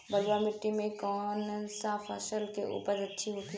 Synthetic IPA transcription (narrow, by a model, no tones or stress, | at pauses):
bəlwamɪʈːimẽkɔːnsapʰaʃəlkeʔṵːpəɾɐtːʃʰiɦot̪ʰi